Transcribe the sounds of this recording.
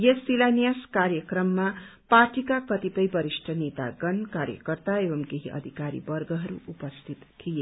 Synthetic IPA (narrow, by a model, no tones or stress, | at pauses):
jesilanijaskaɾjʌkrʌmːaparʈikakʌt̪ipʌjbʌɾisʈʰʌnet̪a̰ɡʌnkaɾjʌ̰kʌrt̪aebʌmkeɦiʔʌ̰d̪ʱikaɾḭbʌrɡʌɦʌɾuʔupʌst̪ʰit̪kʰije